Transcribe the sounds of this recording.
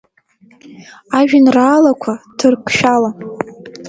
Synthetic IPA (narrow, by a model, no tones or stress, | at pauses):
aʒᶣanraːlakʷʰatʰɨrkʷʰʼʃᶣala